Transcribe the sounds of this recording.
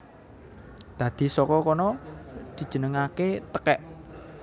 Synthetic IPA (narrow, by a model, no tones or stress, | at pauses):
d̪̥ä̤d̪̥i̤sɔkɔkɔnɔd̪̥i̤̥d͡ʒ̥ə̤nəŋaket̪əkɛʔ